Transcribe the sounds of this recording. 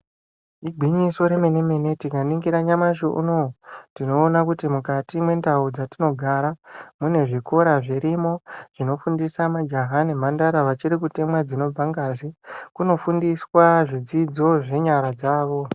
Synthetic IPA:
iɡʱiɲiso̞ɾe̞me̞ne̞me̞ne̞tikaniŋɡiɾaɲamaʃuʔṵnotino̞ːnakutimukatimwe̞ndaud͡zatino̞ɡʱaɾamune̞ʐiko̞ɾaʐiɾimo̞ʐ̥ino̞fundisamad͡ʒaɦanimandaɾaʋat͡ʃiɾikute̞mwad͡zino̞b͡vʱaŋɡazikuno̞fundiswaʐid͡zid͡zo̞ʐe̞ɲaɾad͡zaːʋo̞

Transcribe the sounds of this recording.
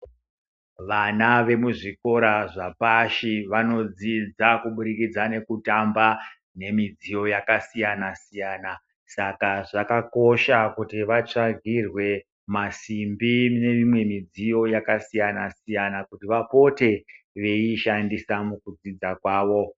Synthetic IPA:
ʋanaʋe̞muʐiko̞ɾaʐapaʃiʋano̞d͡zid͡zakuɓuɾikid͡zane̞kutamba | ne̞mid͡zijo̞jakasijanasijana | sakaʐakako̞ʃakutiʋat͡ʂaɡʱirwe̞ | masimbine̞imwe̞mid͡zijo̞jakasijanasijanakutiʋapo̞te̞ | ʋe̞iʃandisamukud͡zid͡zakwaːʋo̞

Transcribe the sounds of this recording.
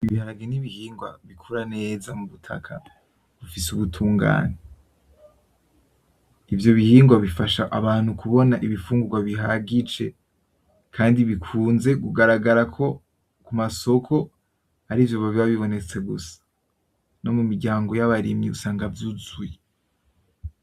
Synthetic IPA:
iβihaɾaɡeniβihiːŋɡwa̰βikʰuɾane̞ːzamuβutʰa̰kʰa | βufisuβutʰuːŋɡa̰ːne | ivjo̞βihiːŋɡwaβifaʃa̰ʔaβaːn̥hukʰuβo̞naʔiβifuːŋɡuɡwaβiɦaɡit͡ʃe̞ | kʰaːndiβikʰuːnze̞ɡuɡaɾaɡaɾakʰo̞ | kumaso̞kʰo̞ | aɾivjoβaβiβaβiβo̞ne̞t͡se̞ɡusḁ | no̞mumiɾɟaːŋɡo̞jaβaɾimɲiusaːŋɡavjuzuje

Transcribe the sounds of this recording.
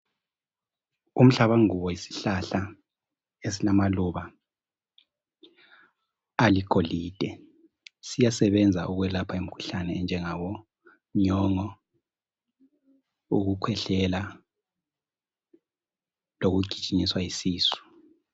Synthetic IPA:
um̩ɬaβaŋuβɔjisi̥ɬaɬa | es̬ilamaluβa | likʰʼoliːd̥ʱɛ | sijasɛβɛnd͡zʱaʔuɣwɛlapʰaem̩kʰu̥ɬanɛnd͡ʒʱɛŋawɔ | ɲɔŋɔ | ṵɣukʰwɛɬɛla | loɣuɡ̥ʱi̥t͡ʃʼiɲiswajisiːsu̥

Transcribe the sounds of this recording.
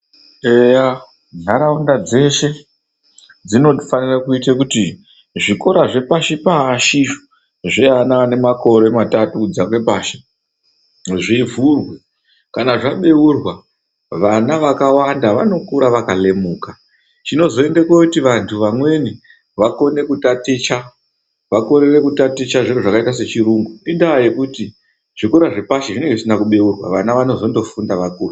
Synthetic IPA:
eja | naɾaundad͡ze̞ʃe̞ | d͡zino̞fanirakuitakuti | ʐiko̞ɾaʐe̞paʃipaʃiʐ | ʐianane̞mako̞ɾe̞matatud͡zak̬we̞paːʃi̥ | ʐivurwe | kanaʐaɓe̞urwa | ʋanaʋakawandaʋano̞kuɾaʋakale̞muːka | t͡ʃino̞zo̞e̞ndekwokutiʋantʰuʋamwe̞ni | ʋako̞ne̞kutatit͡ʃa | ʋako̞ɾere̞kutatit͡ʃaʐeɡeʐakaitase̞t͡ʃiɾuŋɡuindajekuti | ʐ̥ikuɾaʐepaʃeʐine̞ŋɡeisinakuɓe̞urwa̰ʋanaʋano̞zo̞ndo̞fundaʋakuːra

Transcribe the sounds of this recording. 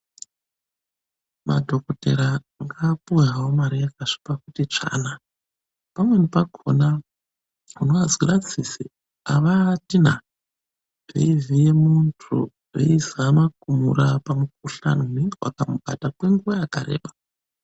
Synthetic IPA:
ma̰dʱo̞kote̞̰ɾa | ŋɡapujawomaɾijakaʂi̥pakutit͡ʂa̰na | pamwe̞nepaɡʱo̰na | unoazwirad͡zisḭ | aʋatin̤a | vḛivijemuntʰṵ | ḛisamakumṵrapamuk̚uɬa̰noneŋɡewa̰kamuɓa̰takwe̞ŋɡuʋajakaɾḛːɓḁ

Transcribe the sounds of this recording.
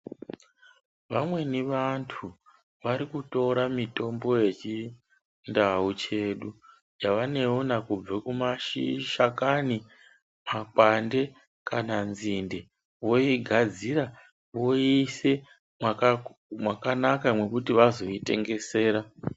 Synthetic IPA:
ʋamwe̞niʋantʰu | ʋaɾikutoɾamito̞mbo̞je̞t͡ʃi | ndaut͡ʃe̞ɗu | jaʋane̞onakub͡vakumaʃiʃakani | makwande̞ | kananzinde | wo̞iɡʱad͡ziɾa | ʋo̞ise̞ | mwakanakamwe̞kutiʋazo̞ite̞̰ŋɡe̞se̞ːɾa

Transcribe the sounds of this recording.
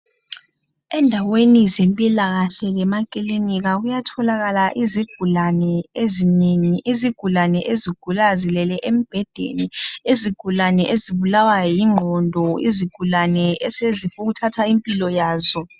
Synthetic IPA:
ɛndʱawenizempʼilaɣaɬɛɣɛmakʼiliniɣaɣujatʰɔlaɣalaʔiziɡ̥ʱulanɛezineŋiʔiziɡ̥ʱulanɛʔeziɡ̥ʱulazilɛlɛʔem̩b̥ʱɛd̥ʱḛnieziɡ̥ʱulanɛʔeziβulawajɔjiŋ͡ǃʱɔndʱɔḭziɡ̥ʱulanɛɛsezifuɣutʰatʰaimpʼilɔjaːzɔ

